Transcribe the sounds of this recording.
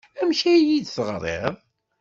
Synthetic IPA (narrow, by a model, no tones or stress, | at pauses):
æmʃæjid̪səʁɾˤḛðˤ